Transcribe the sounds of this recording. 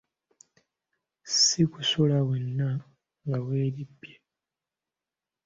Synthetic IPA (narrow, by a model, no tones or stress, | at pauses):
sikusulaβwenːa | ŋɡawe̞ːɾipːje